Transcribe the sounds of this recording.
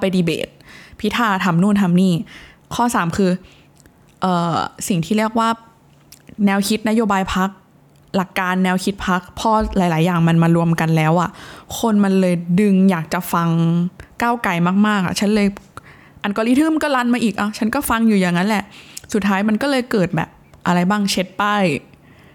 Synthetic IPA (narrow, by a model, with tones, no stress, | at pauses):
pa˧jdiː˧bḛː˨˩t̪̚pʰi˦˥t̪ʰaː˧˩t̪ʰa˧mnuː˥˩nt̪ʰa˧mniː˥˩ | kʰɔː˥˩saː˩˦mkʰɯː˧ | ʔɤː˨˩si˨˩ŋt̪ʰiː˥˩ɾi˥˩ək̚waː˥˩ | nɛː˧wkʰi˦˥t̪̚na˦˥joː˧baː˧jpʰa˦˥k̚ | la˨˩kːaː˧nːɛː˧wkʰi˦˥t̪̚pʰa˦˥k̚pʰɔː˧laː˩˦jlaː˩˦jːaː˨˩ŋma˧nmaː˧ɾu˧əmka˧nlɛː˦˥wʔa˨˩ʔkʰo˧nma˧nlɤː˧jdɯ˧ŋjaː˨˩k̚t͡ɕa˨˩fa˧ŋkaː˥˩wka˨˩jmaː˥˩k̚maː˥˩k̚ʔa̰˨˩t͡ɕʰa˦˥nlɤː˧j | ʔa˨˩nkɔː˧liː˦˥t̪ʰɯ˥˩mkɔː˥˩la˧˥nmaː˧ʔiː˨˩k̚ʔa˧˩wt͡ɕʰa˦˥nkɔː˥˩fa˧ŋjuː˨˩ja˨˩ŋːa˦˥nlɛ˨˩ʔsu˨˩t̪ʰːaː˦˥jma˧nkɔː˥˩lɤː˧jkɤː˨˩t̪̚bɛ̰ː˨˩p̚ʔa˧ɾa˧jbaː˥˩ŋt͡ɕʰe˦˥t̪̚pa˥˩j